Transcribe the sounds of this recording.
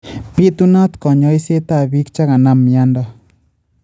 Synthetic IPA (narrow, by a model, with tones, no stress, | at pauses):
pi˦t̪una˦t̪ko˨ɲo˦jse˦t̪a˦bi˦kt͡ʃa˦ka˨na˧mja˦nd̪a˦